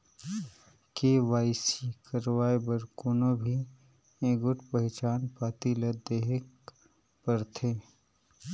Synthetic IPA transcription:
keʋaːɪsikɐɾʋaːebɐɾkʊnõbʱi | ẽːɡʊʈpɐɦɪt͡ʃaːnpaːt̪ilɐd̪eːɦɪk̚ | pɐɾt̪ʰeː

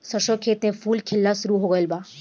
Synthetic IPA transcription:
səʃokʰeːt̪ẽfuːlkʰɪlːasʊɾuɦoːɡəjəlbaː

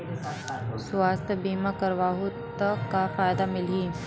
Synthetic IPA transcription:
sʊwaːst̪ʰəbiːmakəɾʋaːɦu | t̪ɐkːafaːjd̪amɪlɦiː

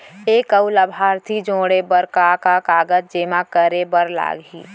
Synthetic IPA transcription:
eːkəwləbʱaːɾt̪ʰid͡ʒoːɽebəɾkakakaːɡət̪̚d͡ʒeːmakəɾebəɾla̰ːɡɦḭː

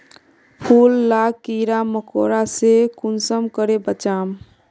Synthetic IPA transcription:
pʰulːaɡ̚kiɾaməkoɾasekunsəmkəɾebət͡ʃaːm

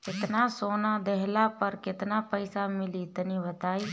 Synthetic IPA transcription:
kɪt̪nasoːnad̪ɛɦlapəɾkɪt̪napəɪsamɪlit̪ənibət̪aːi

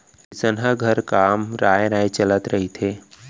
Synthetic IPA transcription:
ɾɪsənɦəɡʱəɾkaːmɾaːjɾaːet͡ʃələt̪ɾɐɦit̪ʰeː

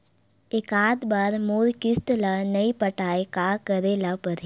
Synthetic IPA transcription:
ɪkaːd̪baːɾmoːɾkɪst̪lanɐipəʈaːekaːkəɾelapəɾe

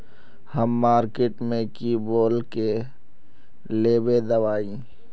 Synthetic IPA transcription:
həmːaːɾkeːʈmẽkiboːlke | leːbed̪əʋaːĩ

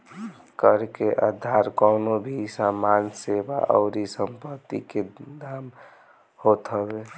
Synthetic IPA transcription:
kəɾkeʔəd̪ʱaɾkɔnobʱisamanseba̰ʔɔ̰ʊɾisəmpət̪ːḭked̪am | hot̪ɦəbe

